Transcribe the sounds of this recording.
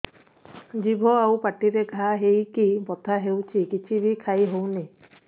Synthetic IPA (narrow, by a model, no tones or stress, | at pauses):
d͡ʒibʱɔawpaʈiɾeɡʱaɦejkibɔt̪ʰaɦewt͡ʃʰikit͡ʃʰibʱikʰajɦowni